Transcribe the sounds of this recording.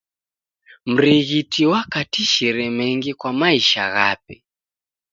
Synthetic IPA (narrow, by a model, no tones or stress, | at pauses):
m̩ɾiɣitʰiwakatiʃɛɾɛmɛŋɡikwamaiʃa̰ɣa̰p̚ɛ